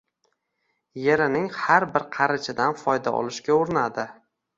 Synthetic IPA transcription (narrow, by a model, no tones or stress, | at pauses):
jeɾɪnɪŋhaɾbɪɾqʰɑɾɪt͡ʃʰɪd̪anfɒjd̪a̰ɒ̰lˠɪʃkʲaoɾɪnad̪ɪ